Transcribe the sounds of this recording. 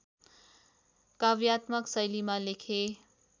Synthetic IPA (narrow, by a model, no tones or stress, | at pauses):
kabjat̪mʌksʌjlimalekʰe